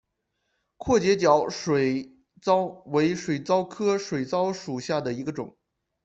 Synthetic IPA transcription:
kʰwɔ˥˩t͡ɕjɛ˧˥t͡ɕjɑ˧˥ʊʂwe˨˩ɪ | t͡sɑ˥ʊwe˧˥ɪʂwe˨˩ɪt͡sɑ˥ʊkʰɤ˥ʂwe˨˩ɪt͡sɑ˥ʊʂu˨˩ɕja˥˩d̪ə˩i˧˥ɡə˧ʈ͡ʂʊ̰˨˩˦ŋ

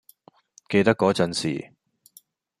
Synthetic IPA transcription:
ke˧jt̪ɐ˥kːɔː˨˥t͡sɐ˧nsḭː˨˩

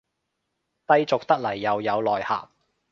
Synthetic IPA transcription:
t̪ɐ˧jt͡sʊ˨k̚t̪ɐ˥k̚lɐ˨˩jːɐ˨˧wjɐ˨˧wlɔː˨˩jha̰ː˨p̚

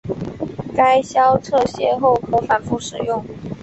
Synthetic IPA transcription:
ka˥ɪɕjɑ˥ʊt͡sʰɤ˥˧ɕjɛ˥˧xo˥˩ʊkʰɤ˧˥fa˧˥nfu˥˩ʂɻ̩˨˩jʊ˥˩ŋ

